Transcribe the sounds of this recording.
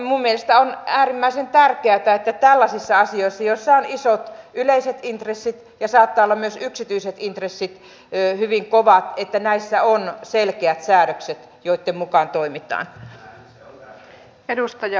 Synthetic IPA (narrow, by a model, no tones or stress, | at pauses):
mummielest̪æonæːrimːæisent̪ærkeæt̪æet̪ːæt̪ælːɑsisːɑɑsioisːɑjosːɑonisot̪yleiset̪int̪resːit̪ | jɑsɑːt̪ːɑːolːɑmyøsyksit̪yiset̪int̪resːit̪ | hyʋiŋkoʋɑt̪et̪ːænæisːæonselkeæt̪sæːɾøkset̪ | joit̪ːemmukɑˑnt̪oimit̪ɑ̰ːn | edust̪ɑjɑ